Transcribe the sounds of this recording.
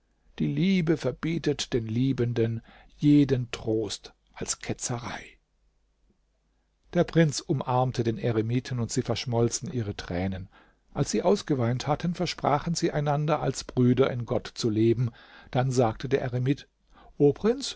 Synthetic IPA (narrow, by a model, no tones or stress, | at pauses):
d̥iːliːbəfɛɐbiːtətd̥eːnliːbəndən | jeːdəntʁ̥oːst | ʔalskʰɛt͡sɐʁa̰ɪ | d̥eːɐpʁ̥ɪnt͡sʊmʔaɐmtʰədeːnʔeʁemiːtʰn̩ʊntz̥iːfɛɐʃmɔlt͡stn̩ʔiːʁ̞ətʁ̥ɛːnən | ʔalsz̥iːʔaʊsɡ̥əvaɪnthatʰənfɛɐʃpʁ̥a̰ːχən̩ziːʔaɪnandɐalsb̥ʁyːdɐʔɪnɡɔtt͡suleːbm̩ | d̥anzaːk̚tʰədeːɐʔeʁemit | ʔoːpʁ̥ɪnt͡s